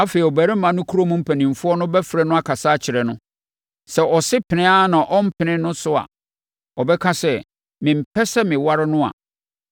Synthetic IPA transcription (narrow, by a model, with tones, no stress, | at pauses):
a˦feː˨i˨ɔ˨bæ˨ɾɪ˦mã˨nʊ̃˦kʰu˦ɾo˦mũ˦m̩˦pʰæ˨nĩ˨m˨fʊ˦ɔ˦nʊ̃˦bɛ˦fɾɛ˦nʊ̃˦a˦kʰa˨saː˦t͡ɕʰɪ˨ɾɛ˨nʊ̃˦ | sɛ˨ʔɔ˨sɪ˦pʰɪ˨nɪ̃˦a˦nã˨ʔɔ˦m̩˦pʰɪ̃˨nɪ̃˦nʊ̃˦sʊ˦a̰˨ | ɔ˨bɛ˦kʰa˦sɛ˨ | mɪ̃˨m̩˨pʰɛ˦sɛ˦mɪ̃˨wa˦ɾɪ˦nʊ̃˦a̰˨